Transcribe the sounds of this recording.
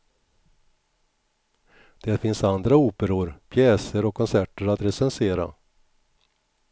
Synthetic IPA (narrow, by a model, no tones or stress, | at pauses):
d̪̥ɛɾfɪnsand̪ɾauːpəɾʊɾpʰjɛːsəɾɔkʰːɔnsæʈəɾat̪ɾɛsɛnseːɾa̰